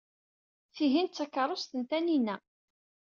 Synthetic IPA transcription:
θiɦint̪t͡sːækːɑɾˤost̪ənt̪æninæ

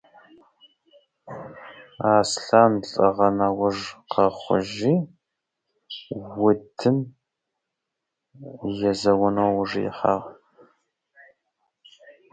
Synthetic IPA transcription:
aːsɬaːnɬʼɨʁɐnɐwʊʐqɐχʷʊ̰ʒiː | wʊdʰɨm | jɛzɐwʊnoːwʊʐjɛ̰ħɑ̰ːʁ

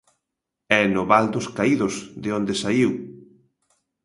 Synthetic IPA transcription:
ɛnoβald̪ʊskaiðʊzðeond̪esaiw

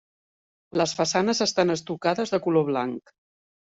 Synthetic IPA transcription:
ləsfəsanəzəst̪anəst̪ukaðəzðəkuloβlaŋk

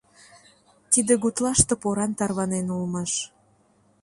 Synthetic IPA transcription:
t̪id̪ĕɣut̪lɑʃt̪ɤ̆poɾɑnt̪ɑrβɑnenulmɑʃ

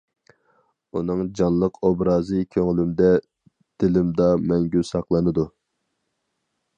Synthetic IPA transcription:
unɨŋd͡ʒɑnlˠəqʰobɾɑːzɨkʲʰøŋlymd̪ɛ | d̪̥ɪlɪmd̪ɑmɛŋɡʲysɑqlˠɨnɨd̪u

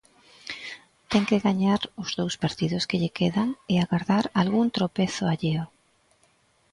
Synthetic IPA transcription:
t̪ɛŋkeɣaɲaɾʊz̥ðowspaɾt̪iðʊskeʎekʰeðaŋɪaɣaɾðaɾalɣuŋt̪ɾopeθʊaʎeo

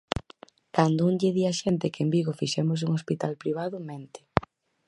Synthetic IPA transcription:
kand̪ounɟeðiaʃɛnt̪ɪkembiɣofiʃɛmos̬uŋospit̪alpɾiβ̞aðʊment̪ɪ̥

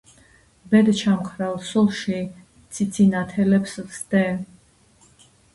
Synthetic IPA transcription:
bɛd̪t͡ʃʰamqʰɾɛlˠsulˠʃi | t̪sʰit̪sʰinat̪ʰɛlɛpszd̪ɛ

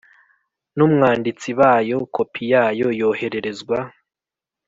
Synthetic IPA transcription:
nuːmŋaːndit͡siβaːjo̞kʰo̞pʰijaːjo̞jo̞ːhe̞ɾe̞ɾe̞zɡwa

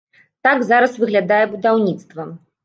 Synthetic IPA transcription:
t̪aɡzaɾɐsvɨɣlʲad̪ajɛbud̪awnʲit̪st̪vɐ

